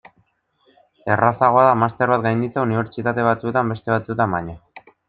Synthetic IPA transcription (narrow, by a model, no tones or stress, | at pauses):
e̞rasaɣo̞aðamast̪e̞ɾβat̪ɡajnd̪it͡sauniβ̞e̞ɾt͡ʃit̪at̪e̞β̞at͡sue̞t̪ambe̞st̪e̞β̞at͡suet̪ambaɲa